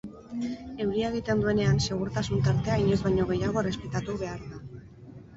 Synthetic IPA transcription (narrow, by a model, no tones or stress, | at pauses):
e̞wɾiaeɣ̞it̪e̞nd̪ue̞ne̞anse̞ɣ̞uɾt̪asunt̪aɾt̪e̞aiɲe̞zβajɲo̞ɣ̞e̞jaɣ̞o̞re̞spe̞t̪at̪uβ̞e̞aɾða